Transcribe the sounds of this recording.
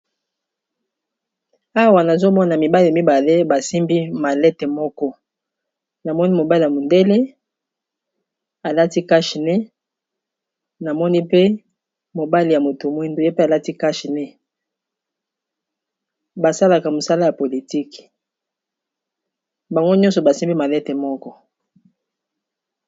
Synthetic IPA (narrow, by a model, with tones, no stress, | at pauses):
a˦wa˨na˨zo˦mɔ˦n˨a˨mi˨ba˦li˨a˨mi˦ba˨le˦ba˨si˦mbi˦ma˨lɛ˦te˨mɔ˦kɔ˦ | na˨mɔ˦ni˦mo˨ba˦li˨ja˨mo˨nde˦le˦ | a˨la˦ti˦ka˦ʃi˨nɛ˦ | na˨mɔ˦ni˦pe˦ | mo˨ba˦li˨ja˨mo˨to˨mwi˦ndo˦je˦pe˦a˨la˦ti˦ka˦ʃi˨nɛ˦ | ba˨sa˦la˨ka˨mo˨sa˦la˦ja˨po˨li˨ti˦k | ba˨ŋɡo˦ɲɔ̃˦nsɔ˨ba˨si˦mbi˦ma˨lɛ˦te˨mɔ˦kɔ˦